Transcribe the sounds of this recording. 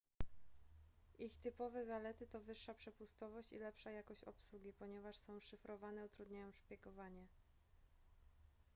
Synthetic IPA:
ʔixt̪ɘpɔvɛzalɛt̪ɘt̪ɔvɘʂːapʂɛpust̪ɔvɔɕt͡ɕḭlɛpʂajakɔɕt͡ɕɔ̰pswuɡʲipɔɲɛvaʂsɔ̃w̃ʂɘfɾɔvanɛut̪ɾud̪ɲajɔ̃w̃ʂpʲjɛkɔvaɲɛ

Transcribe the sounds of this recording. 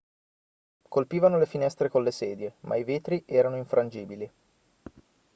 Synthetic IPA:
kolpiːvanolefinɛst̪ɾekolːesɛːd̪jemʔa̰iveːt̪ɾiʔɛːɾanoiɱfɾʔand͡ʒiːbili

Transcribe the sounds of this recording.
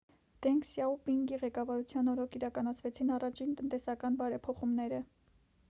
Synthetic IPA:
d̪̥ɛŋksjɑupiŋɡiʁɛkɑvɑɾut͡sʰjɑnɔɾɔkʰiɾɑkɑnɑt͡sʰvɛt͡sʰinɑrɑt͡ʃʰint̪ənt̪ɛsɑkɑnbɑɾɛpʰɔχumnɛɾə

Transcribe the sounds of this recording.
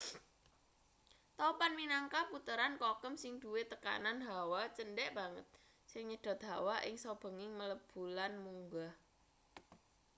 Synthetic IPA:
t̪ɔpanminaŋkaput̪əɾankɔkəmsɪŋd̪̥ṳwet̪əka̰nanɦawat͡ʃənɖɛʔb̥a̤ŋət̪̚ | sɪŋɲəɖ̥a̤t̪̚ɦawaʔɪŋsob̥ə̤ŋɪŋmələb̥ulanmuŋɡa

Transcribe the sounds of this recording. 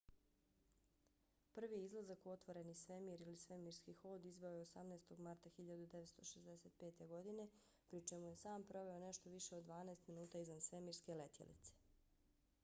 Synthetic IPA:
pr̩ʋiizlˠazako̞t̪ʋo̞ɾe̞nisʋe̞miːɾilisʋe̞miːɾskixoːd̪izʋe̞ojeosamneːst̪oɡmaɾt̪axiʎad̪ud̪eʋet̪st̪o̞ʃezd̪eset̪̚pe̞ːt̪e̞ɡo̞d̪ine̞ | pɾit͡ʃe̞muje̞saːmpɾo̞ʋe̞oneʃt̪oʋiʃe̞od̪ːʋaːnaest̪minuːt̪aːizʋansʋe̞miːɾske̞let̪jḛlʔḭt̪se̥

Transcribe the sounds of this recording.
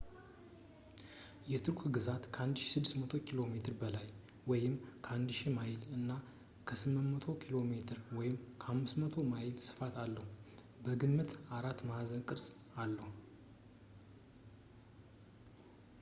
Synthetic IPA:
jɛt̪ʰɨɾkʷʰɡɨzat̪kʰəand̪ʃsɨd̪ːɨsmət̪ʰo̞kʰilo̞me̞t̪ʰɨɾbəlaj | wɔjɪmkʰəand̪ʃimajɪlɨnːa | kʰəsɨmːɨnmət̪ʰo̞kʰilo̞me̞t̪ʰɨɾwɔjɪmkʰəhamːɨsmət̪ʰo̞majɪlsɨ̥fat̪alːəhu | bəɡɨnmɨt̪aɾat̪ːmahazənkʼɨɾsʼ | alːəhu

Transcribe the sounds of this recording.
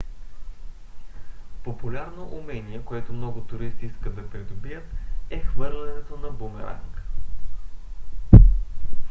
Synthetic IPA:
popʊlʲaɾnoʔumɛniɛkoɛt̪ʊmnɔɡʊt̪ʊɾist̪iiskəd̪ɐpɾid̪ʊbijət̪ɛxvɤɾlʲɛnɛt̪onɐbumɛ̰ɾa̰ŋk

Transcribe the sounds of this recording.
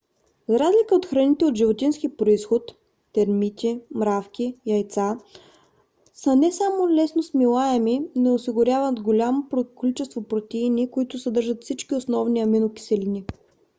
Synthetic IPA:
zɾazlʲikəot̪xɾɐnit̪ɛot̪ʒivot̪inskipɾoisxoʊt̪ː | ɛɾmit̪ʲimɾafk̟ʲiɐjt̪sa | sənɛsamolɛsnosmilˠaɛminɛosiɡʊɾʲjavət̪ɡolʲamopɾokolit͡ʃɛst̪vopɾot̪ʲiːnikoit̪ʊsɐd̪ɤɾʒət̪fsit͡ʃkiosnɔvniɐminʊkʲi̥sɛlʲini

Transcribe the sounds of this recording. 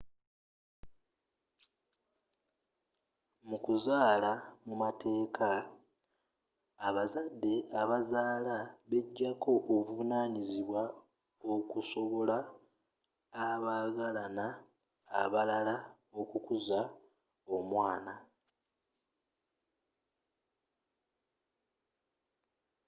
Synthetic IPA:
mukuzaːlamumatʰe̞ːkʰa | βazadːe̞aβazaːlaβeɟːakʰo̞ʔovuvunaːɲiziβwa | okuso̞βo̞la | βaːɡalanaː | βalala | o̞kukuza | o̞mwaːna

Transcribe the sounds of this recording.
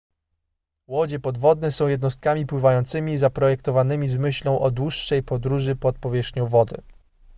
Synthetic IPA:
wɔd͡ʑɛpɔd̪vɔd̪̚nɛsɔ̃w̃jɛd̪nɔst̪̚kamʲipwɘvajɔnt̪sɘmʲizapɾɔjɛkt̪ɔvanɘmʲizmɘɕlɔ̃w̃ʔɔd̪wuʂːɛjpɔd̪ɾuʐɘpɔt̪̚pɔvʲjɛʂxɲɔ̃w̃vɔd̪ɘ̰

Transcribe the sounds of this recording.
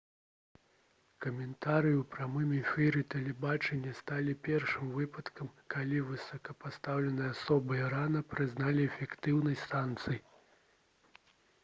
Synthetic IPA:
kɐmʲɛnt̪aɾɨjiuwpɾʲamɨmʲifʲɛɾɨt̪ɐlʲɛbat͡ʂɛnʲːɐst̪alʲipʲɛrʂɨmvɨpɐt̪kɐmkʰalʲivɨsɐkɐpast̪awlʲɛnɨjɐasɔbɨɾanɐpɾɨznalʲiɛfʲɛkt̪ɨwnɐjst̪ant̪sɨji

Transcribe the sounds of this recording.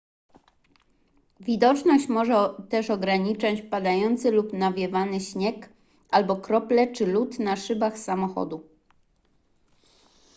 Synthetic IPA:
vʲid̪ɔt͡ʂnɔɕt͡ɕmɔʐɛt̪ɛʂɔɡɾaɲit͡ʂat͡ɕpad̪ajɔnt̪sɘlupnavʲjɛvanɘɕɲɛk | albɔkɾɔplɛt͡ʂɘlut̪naʂɘbaxsamɔxɔ̰d̪u

